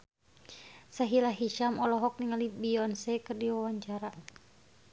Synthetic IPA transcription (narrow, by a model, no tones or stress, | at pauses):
saɦilaɦiʃamɔlɔɦɔk̚niŋalibiɔnsɛkɨrdiwawaɲt͡ʃaɾa